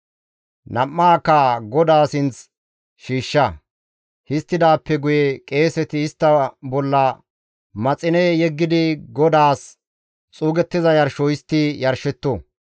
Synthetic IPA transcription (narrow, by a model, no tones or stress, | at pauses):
nɐmːaːkːɐɡɔd̪aːsɪnt͡s | ʃiːʃːɐ | hɪst̪ːɪd̪aːpːɛɡʊjɛkʼe̞ːsɛt̪ɪɪst̪ːɐbɔlːɐ | mɐt͡sʼɪnɛjɛɡːɪd̪ɪɡɔd̪aːs | t͡sʼuːɡɛt̪ːɪzɐjɐɾʃɔɪst̪ːɪjɐɾʃɛt̪ːo